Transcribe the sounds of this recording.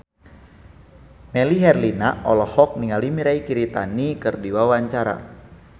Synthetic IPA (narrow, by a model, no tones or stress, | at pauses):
mɛliɦɛrlinaʔɔlɔhɔk̚niŋalimiɾaikiɾit̪a̰nikɨrdiwawaɲt͡ʃaɾa̰